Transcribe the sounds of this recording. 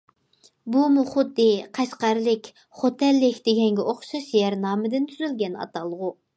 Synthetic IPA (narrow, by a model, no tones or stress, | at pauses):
bumuχʊd̪ːɪqʰɑʃqɑɾlɪkʲ | χot̪ʰɛlːɪkʲd̪eɡʲɛŋɡʲɛʔoχʃɑʃjɛɾnɑːmɨd̪ɪnt̪ʰyzylɡʲɛnɑ̰t̪ɑlˠːəʁu